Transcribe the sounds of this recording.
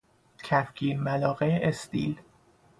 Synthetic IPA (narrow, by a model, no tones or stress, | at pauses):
cʰæfkʰiːɾmælɒːɣeʔest̪ḭːl